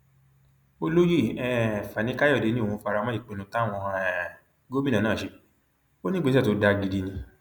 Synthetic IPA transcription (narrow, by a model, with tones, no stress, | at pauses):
o˦lo˦ji˦˨ɛ˦˨fa˨nĩ˨˦ka˦jɔ˦˨de˨˦nĩ˦˨ũ˧fa˧ɾa˧mã˦i˦˨k͡pẽ˨˧nũ˧˦ta˦˨w̃ɔ̃˧ɛ˨ | ɡo˦mĩ˦nã˨ãː˦˨ʃe˧˦ | o˦nĩ˦ɡ͡be˧˦a˦˨to˨˦da˧ɡi˧di˧nĩ˧